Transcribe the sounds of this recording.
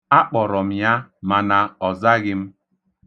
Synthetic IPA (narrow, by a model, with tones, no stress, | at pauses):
a˦k͡pɔ˨ɾɔ˨m̩˨ja˦ma˨na˨ɔ˨za˦ɡɪ˦m̩˦